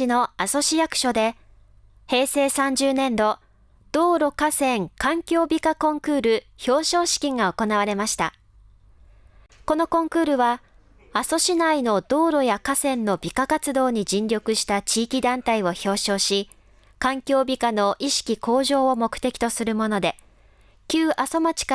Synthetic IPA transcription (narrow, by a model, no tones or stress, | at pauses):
ino̞aso̞ɕijakɯ̟̥ɕo̞d̪e̞ | he̞ːse̞ːsãɲ̟d͡ʑɨːnẽ̞nd̪o̞ | d̪̥o̞ːɾo̞kasẽ̞ŋkãŋkʲo̞ːbʲikakõ̞ŋkɯ̟ːɾɯ̟ | ço̞ːɕo̞ːɕi̥kʲĩŋɡao̞ko̞naβaɾe̞maɕi̥t̪a | ko̞no̞kõ̞ŋkɯ̟ːɾɯ̟βa | aso̞ɕinaino̞d̪o̞ːɾo̞jakasẽ̞nːo̞bʲikakat͡sɨd̪o̞ːɲ̟id͡ʑĩɲɾʲjo̞kɯ̟ɕi̥t̪at͡ɕiːkʲid̪ãnt̪aio̞ço̞ːɕo̞ːɕi | kãŋkʲo̞ːbʲikano̞ʔiɕi̥kʲikʰo̞ːʑo̞ːomo̞kɯ̟̥t̪e̞kʲi̥t̪o̞sɨɾɯ̟mo̞no̞d̪e̞ | kʲɨːʔaso̞mat͡ɕi̥k